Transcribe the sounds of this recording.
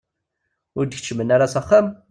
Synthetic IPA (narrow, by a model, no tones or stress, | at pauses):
ʊɾd̪əçt͡ʃːmənaɾasæχam